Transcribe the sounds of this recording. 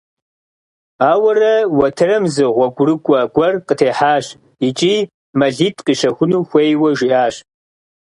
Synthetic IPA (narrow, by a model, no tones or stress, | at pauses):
aːwɐrɐwɐtʰɨrɐmzɨʁʷɔɡʷʼʊrɨkʷʼɔɡʷʼɔrqətʰeːħaːɕ | it͡ʃʼiː | mɐɮiːtʼqiʃɐxʷʊnuːxʷejwɐʒiʔaːɕ